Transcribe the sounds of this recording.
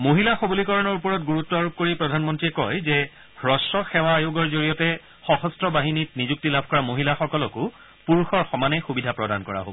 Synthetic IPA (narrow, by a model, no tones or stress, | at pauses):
moɦilaxobulikɔɹɔnɔɹupɔɹɔt̚ɡuɹutːɔaɹup̚koɹipɹɔdʱanmɔntɹiɛkɔjzɛ | hɹɔsɔxɛwaːjoɡɔɹzoɹijɔtɛ | xɔxɔstɹɔbaɦinitnizuk̚tilabʱkɔɹamoɦilaxɔkɔlɔkʊ | puɹxɔɹxɔmanɛxubidʱapɹɔdankɔ̰ɹa̰ɦo̰b